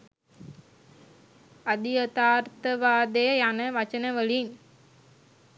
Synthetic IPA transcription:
ɐd̪iət̪aːɾt̪əʋaːd̪ejɐjanəʋɐt͡ʃənəʋəɭin

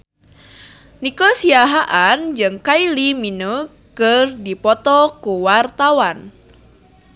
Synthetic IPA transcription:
nikɔsiaɦaʔand͡ʒɨŋkailimino | kərdipɔt̪ɔkuwart̪awan

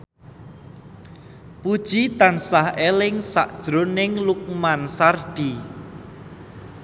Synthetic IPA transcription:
pud̥ʒ̥it̪ansahelɪŋsa̰ʔd̥ʒ̥ɾonɪŋluk̚mansarɖ̥i

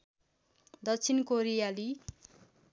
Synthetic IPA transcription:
d̪ʌt͡sʰinkoɾijali

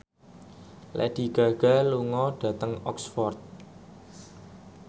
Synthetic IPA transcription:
lʔɛ̰d̪̥i̤ɡ̥a̤ɡ̥a̤luŋɔɖ̥a̤t̪əŋɔksfɔrt̪̚

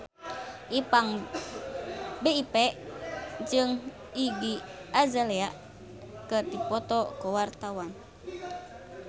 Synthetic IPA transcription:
ʔipaŋ | beipɛʔd͡ʒɨŋ | iɡiazalɛaʔ | kət̪ipɔt̪ɔkɔwart̪awan

